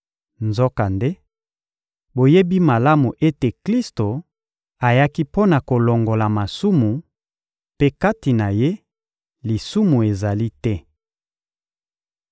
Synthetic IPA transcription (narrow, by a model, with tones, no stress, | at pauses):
nzo˦ka˨nde˦ | bo˨je˦bi˦ma˨la˦mu˨ʔe˦te˨kli˦sto˨ | a˨ja˦ki˦po˦na˨ko˨lo˨ŋɡo˨la˨ma˨su˦mu˨ | pe˦ka˦ti˨na˨je˦ | li˨su˦mu˨e˨za˨li˦tɛ˦